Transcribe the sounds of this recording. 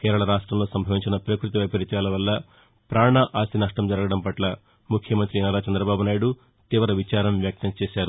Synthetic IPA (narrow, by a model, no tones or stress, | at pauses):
keːɾɐɭɐɾaːʂʈɾɐmlo̞ːsɐmbʱɐʋiɲt͡ʃinɐpɾɐkɾut̪iʋɐjpɐɾit͡ʃaːlɐʋɐlːɐ | pɾaːɳɐʔaːsinɐʂʈɐmd͡ʒɐɾɐɡɐɽɐmpɐʈlɐ | mukʰjɐmɐnt̪ɾinɐɾaːt͡ʃɐnd̪ɾɐbaːbunaːjiɽu | t̪iːʋɐɾɐʋit͡ʃaːɾɐmʋjɐk̚t̪ɐmt͡ʃeːʃaːɾu